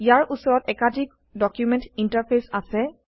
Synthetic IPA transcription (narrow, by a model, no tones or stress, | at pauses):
ijaɹʔusɔɹɔtɛkadʱik | dɔkjumɛntintaɹpʰesasɛ